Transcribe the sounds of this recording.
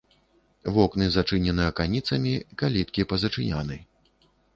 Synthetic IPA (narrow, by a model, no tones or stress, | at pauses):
vɔknɨzat͡ʂɨnʲɛnɨɐkanʲit̪sɐmʲikalʲit̪̚kʲipɐzɐt͡ʂɨnʲanɨj